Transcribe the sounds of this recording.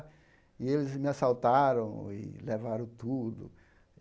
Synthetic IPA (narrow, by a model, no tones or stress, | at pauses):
ɪelɪzmɪasawt̪aɾɐ̃w̃ɪ̰levaɾɐ̃w̃t̪ud̪ʊ